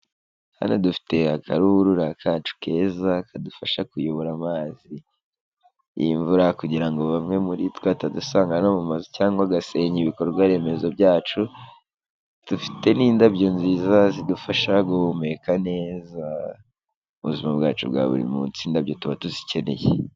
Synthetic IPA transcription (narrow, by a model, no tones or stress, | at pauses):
ha̰nodufi̥te̞akʰaɾuɾuɾakʰat͡ʃu̥ke̞ːzakʰadufaʃakujoβo̞ɾamaːzi | ɱvuɾakuɟiɾaŋɡo̞βamŋe̞muɾitkwatadusaːŋɡanomumazicaːŋɡoaɡase̞ɲiβiko̞ɾɡwaɾe̞me̞zo̞b̚jaːt͡ʃu | d̥ufi̥te̞niːndabɟo̞nziːzazidufaʃaɡome̞kane̞ːza | uβuzimabɡaːt͡ʃṵbɡa̰βṵɾḭmut͡siːndabjo̞tuβatuzice̞ne̞̰jḛ